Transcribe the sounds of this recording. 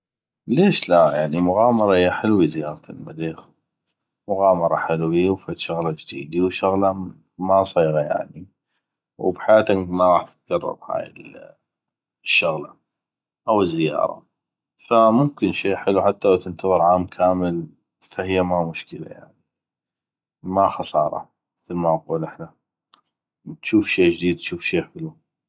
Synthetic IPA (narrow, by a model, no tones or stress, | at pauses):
leːʃlajaʕnimʊɣɑːmɑɾˤɑhɪjːaħɪlwizɪjɑːɾˤt̪ɪlmaliːx | mʊɣɑːmɑɾˤɑħɪlwiwfat̪ʃʊɣlad͡ʒd̪iːd̪iwʃʊɣla | masˤiːɣaja̰ʕni | wbħajaːt̪amaɾˤɑːħd̪ɪ̥t̪̚ɡɑrˤːɑ̰ɾˤha̰ːjɪ̰l | ʃːʊɣlɑ | ʔawəzːɪjɑ̰ːɾˤɑ̰ | famʊmkɪnʃeːħɪluħat̪ːalawt̪ɪnt̪ɑðˤɨɾʕaːmkʰaːməl | fahɪjːamamʊʃkəla̰ja̰ʕni | maxɑsˤɑːɾˤɑ̰ | mɪθlmaʔɑquːlʔɪħna | t̪ʃuːfʃeːd͡ʒd̪iːd̪̚t̪ʃuːfʃeːħɪlu